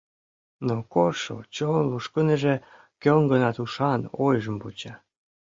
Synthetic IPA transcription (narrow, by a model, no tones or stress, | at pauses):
nokoʃo̰t͡ɕonluʃkənəʒe | køŋɡənɑt̪uʃɑnojʒəmput͡ɕɑ